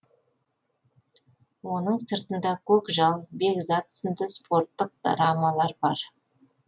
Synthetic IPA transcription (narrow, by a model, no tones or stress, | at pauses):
wo̞nəɴsəɾt̪ənd̪ɑkʲʰɵkʒɑlˠbekzat̪ə̥sənd̪əspʰo̞ɾt̪ːəq̚d̪ɾamɑlˠɑɾbɑɾ